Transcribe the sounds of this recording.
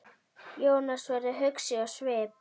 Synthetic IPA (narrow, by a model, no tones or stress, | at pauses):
joːwnasvaɾɪɦʏksɪɔsvɛːp